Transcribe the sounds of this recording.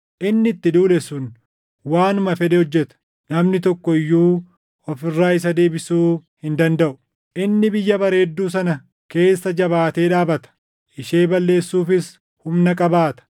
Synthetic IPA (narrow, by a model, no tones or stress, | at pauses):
ʔɪnːɪt̪ːɪd̪uːlɛsʊn | waːnʊmɐfɛᶑ̪ɛhɔd͡ʒːɛt̪ɐ̥ | nɐmnɪt̪ɔkːɔɪjːuː | ɔfɪrːaːɪs̬ɐd̪e̞ːbɪsuːhɪnd̪ɐnd̪ɐʔʊ | ʔɪnːɪbɪjːɐbɐɾe̞ːd̪ːuːs̬ɐnɐ | ke̞ːsːɐd͡ʒɐbaːt̪e̞ːᶑaːbɐt̪ɐ̥ | ɪʃe̞ːbɐlːe̞ːsːuːfɪs | hʊmnɐkʼɐbaːt̪ɐ̥